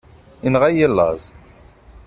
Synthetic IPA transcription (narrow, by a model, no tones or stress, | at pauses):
inʁæjəlːɑ̰zˤ